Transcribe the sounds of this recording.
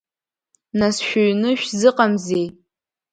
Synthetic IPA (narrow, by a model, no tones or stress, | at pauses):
nasʃʷᶣʊɥnɨʃᶣzɨqamzej